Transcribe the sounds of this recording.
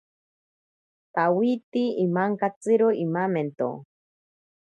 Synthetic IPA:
t̪awit̪iimaŋkat͡sɨɾoimament̪o̰

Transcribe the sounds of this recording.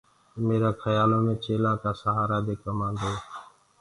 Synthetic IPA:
meːɾãːkʰəjaːlõːmẽːt͡ʃeːlãːkaːsəɦaːɾaːd̪eːkəmãːnd̪oː

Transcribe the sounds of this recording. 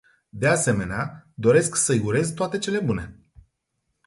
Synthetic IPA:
d̪e̞ase̞me̞nead̪o̞ɾe̞sksəijuɾe̞zt̪oat̪e̞t͡ʃe̞le̞bune̞

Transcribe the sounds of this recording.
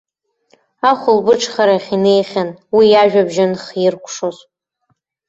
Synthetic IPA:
aχʷʊlbɨʈ͡ʂʰχaɾaχʲine̞jχʲanwijaʒᶣabʒɪnχjɪrkʷʰʂoz

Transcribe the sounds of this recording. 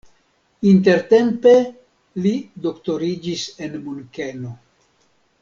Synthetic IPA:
int̬e̞ɾte̞mpe̞ | lido̞kto̞ɾid͡ʒise̞nmunkeno

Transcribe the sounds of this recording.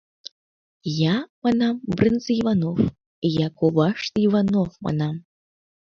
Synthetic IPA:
jamanambrɨnt͡sʼivanof | jakʷʰɔwaʂt̪ivanofma̰nam

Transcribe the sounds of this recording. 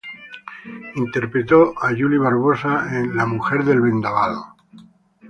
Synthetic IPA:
int̪e̞ɾpɾet̪oaʝuliβ̞aɾβ̞osaenlamuxeɾðe̞lβe̞nd̪aβaðo

